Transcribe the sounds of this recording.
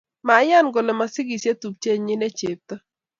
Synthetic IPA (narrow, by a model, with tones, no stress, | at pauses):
ma˨˦ja˦˨nɡo˨lɛ˨ma˨sɪ˦ɡi˨sje˦t̪u˨p̚t͡ʃe˦ɲɪ˦ne˦t͡ʃe˨p̚t̪ɔ˦